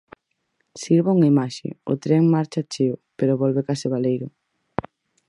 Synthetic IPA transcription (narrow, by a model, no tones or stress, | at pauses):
siɾβauŋaimaʃḛo̰t̪ɾeŋmaɾt͡ʃat͡ʃeʊpeɾoβolβekaseβ̞alejɾʊ